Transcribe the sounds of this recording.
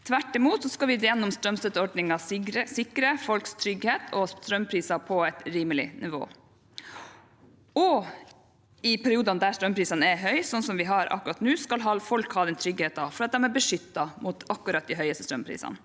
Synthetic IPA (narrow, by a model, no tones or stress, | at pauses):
t̪ʰʋæʈːɪmuːt̪sɔskɑʋɪd̪jɛnːɔmst̪ɾœmst̪ɛt̪əɔɖnɪŋɑɾəsɪkːɾəfɔlkst̪ʰɾʏɡheːt̪ʰɔt̪ɾœmːpʰɾiːsɑpʰɔɛt̪ɾiːməlɪnʔɪʋo̰ː | ɔ | ɪpʰæɾɪuːd̪ɑnd̪æɾst̪ɾœmpʰɾiːsɑnɛɦœʏsɔnsɔmʋɪɦɑɾɑ̰kːʉɾɑt̪nʉːskɑlɦɑlfɔlkhɑːd̪ɛnt̪ʰɾʏɡheːt̪ɑfɔɾɑt̪̚d̪ɛmæɾbəʂʏt̪ːɑmʔʊt̪ɑkːʉɾɑt̪̚d̪ɪɦœʏəst̪əst̪ɾœmpʰɾḭːsɑ̰n